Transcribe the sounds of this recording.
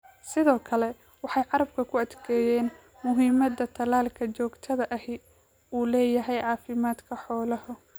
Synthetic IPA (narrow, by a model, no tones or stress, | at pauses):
sɪðɔːkʰɐlɛ | wɑħɑjʕɑɾɐb̚kʰɐkʰʊɐd̪kʰɛːjɛːn | mʊɦiːmɐd̪ɐt̪ʰɐlaːlkʰɐt͡ʃɔːɡt̪ʰɐðɐʔɐhɪ | uːlɛːjɐɦɛjʕɑːfɪmaːd̪kʰɐħɔːlɐhʊ